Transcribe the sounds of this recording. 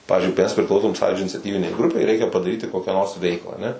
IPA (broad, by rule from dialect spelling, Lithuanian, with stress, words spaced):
ˈpɑːʋʲɪzʲd͡ʒʲʊɪ mʲɛs pʲrʲɪˈklˠɐʊsoːm ˈsɑːjuːd͡ʒʲoː ɪnʲɪt͡sʲɛˈtʲiːʋʲɪnʲɛɪ ˈɡrʊpʲɛɪ ˈrʲɛɪkʲɛ pɐdɐˈrʲiːtʲɪ ˈkoːkʲæː noːrs ˈʋʲɛɪklˠɑː ɐˈnʲɛ